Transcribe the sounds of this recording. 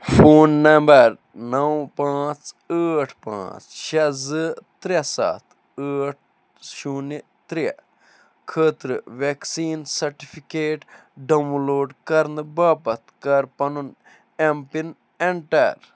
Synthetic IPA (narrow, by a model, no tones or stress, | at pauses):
fʰoːnːɐmbɐɾ | nɐwpãːt͡s | əːʈʰpã̰ːt͡sʃɐzɨt̪ɾɐsa̰ːt̪ʰ | əːʈ̚ʰ | ʃuni | t̪ɾijɐ̰ | kʰəːt̪ɾɨʋeksiːnsɐɾʈipʰikeːʈ | ɖɐmloːɖkɐɾnɨbaːpɐt̪ʰkɐɾpɐnun | empin | eɳʈɐɾ